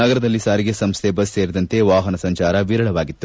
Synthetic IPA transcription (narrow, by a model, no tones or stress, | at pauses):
nɐɡɐɾɐd̪ɐlːisaːɾiɡe̞sɐmst̪ʰebɐsːeːɾid̪ɐnt̪e̞ʋaːɦɐnɐsɐɲt͡ʃaːɾɐʋiːɾɐɭɐʋaːɡit̪ːu